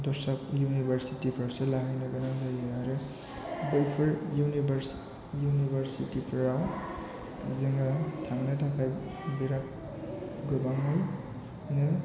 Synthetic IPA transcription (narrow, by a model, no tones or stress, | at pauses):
dɔɾsapjunibɐɾsitipʰɾawselaɦɯjnɯɡanazajaɾɯ | bejpʰɯljunibɐɾs | junibɐɾsitipʰɾaw | ziŋatʰaŋnɯtʰakʰajbiɾat̚ | ɡɯbaŋɯj | nɯ